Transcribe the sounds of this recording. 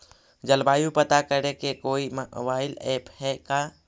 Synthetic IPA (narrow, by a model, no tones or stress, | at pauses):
d͡ʒɐlbaːjũpɐt̪akəɾẽkekoːimbaːɪlɛːphɛka